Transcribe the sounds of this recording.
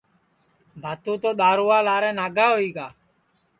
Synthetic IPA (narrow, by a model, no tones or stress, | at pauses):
bʱaːt̪ũːt̪oːɗ̪aːɾuːaːlaːɾɛ̃ːnaːɡaːɦoiːɡaː